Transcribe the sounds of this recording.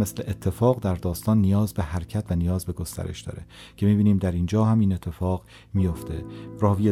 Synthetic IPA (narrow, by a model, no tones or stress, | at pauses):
mesleʔet̪ʰːe̞fɒːɣd̪æɾd̪ɒːst̪ɒːnːijɒːzbe̞ɦæɾcʰæt̪ʰvænijɒːzbe̞ɡost̪æ̰ɾe̞̰ʃd̪ɒ̰ːɾecʰe̞miːbiːniːmd̪æɾiːnd͡ʒɒːɦæmiːne̞t̪ʰːe̞fɒːɣ | mijo̞ft̪ʰe̞rɒːvije